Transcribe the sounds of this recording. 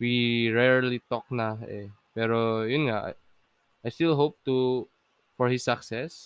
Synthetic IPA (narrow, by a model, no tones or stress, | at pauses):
wiɹɛɹlit̪ɔk̚nahɛ̰ | pɛɾojunɡaa̰ | ʔajst̪ilɦop̚t̪u | fɔɹhisːaksɛs